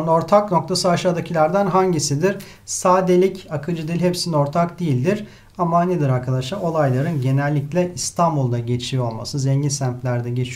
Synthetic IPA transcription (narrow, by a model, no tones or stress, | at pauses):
no̞ɾt̪ʰakno̞k̚t̪ʰasɯaʃaːd̪acʰilʲæɾd̪ænɦaɲɟisid̪iɾ̥ | saːd̪elʲicakʰɯd͡ʒɯd̪ilʲɦepsino̞ɾt̪ʰakd̪ijilʲd̪iɾ | amaned̪iɾaɾkʰad̪aʃao̞lˠajlˠaɾɯnɟe̞nɛlʲːiclʲɛist̪ʰambulˠd̪aɟe̞t͡ʃʰijo̞lˠma̰sɯzeɲɟinsæmt̪lʲæɾd̪ɛɟe̞t͡ʃʰi